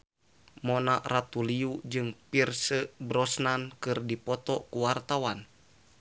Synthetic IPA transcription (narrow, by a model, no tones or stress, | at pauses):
mɔnaʔrat̪uliud͡ʒɨŋpirsəbɾɔsnankɨrdipɔt̪ɔkuwart̪awan